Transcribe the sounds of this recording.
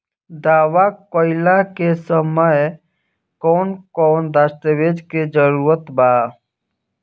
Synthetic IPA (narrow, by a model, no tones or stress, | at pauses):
d̪aːwakoːɪlakesəməj | kɔːnkɔːnd̪ast̪əʋeːd͡ʒked͡ʒəɾuːɾət̪baː